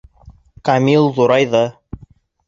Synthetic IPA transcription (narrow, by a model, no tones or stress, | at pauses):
kamʲilˠðuɾɑjðɤ